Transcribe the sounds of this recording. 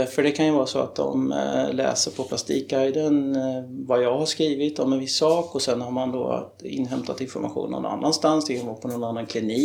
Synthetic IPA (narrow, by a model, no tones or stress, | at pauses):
æɾfəɖɛkʰanjɵvɑːɾasɔa̰t̪̚d̪ɔ̰mlɛ̰ːsəɾpʰɔpʰlast̪iːk̚ɡajd̪ənvajɑːɡhaʂkɾiːvɪt̪ɔmɛnvɪsːɑːkɔsɛnhaɾmand̪o̰ː | ɪ̰nːɦɛmt̪ʰat̪ɪnfɔɾma̰ɧṵːnːɔ̰na̰nːa̰nst̪ansd̪ɛkʰanvːpʰɔnɔnanːankʰlɪniː